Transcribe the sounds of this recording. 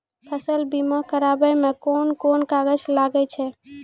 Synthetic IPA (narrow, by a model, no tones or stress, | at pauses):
pʰəsəlbimakəɾabəjmẽkonkonkaɡəd͡ʒlaɡɛt͡ʃʰɛ